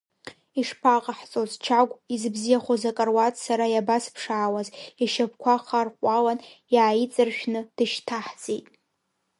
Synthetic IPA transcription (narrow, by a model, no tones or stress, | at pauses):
iʂpʰaqʼaħt͡sʼozt͡ʃʰaɡʷʼizbzijaχozakʼarwatʼsaɾajabaspʰʂaːwaziʃap̚ʰkʷʰaχarqʷʼalanjaːjit͡sʼɨrʃᶣnɨd̥ɨʃtʰaħt͡sʼetʼ